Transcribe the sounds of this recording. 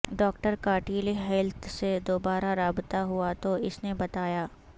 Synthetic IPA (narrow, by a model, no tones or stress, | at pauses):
ɖɔːkʈəɾkaːʈiːliɦɛlt̪ʰsed̪oːbaːɾaɾaːbt̪aɦuat̪oɪsnebɐt̪aːjaː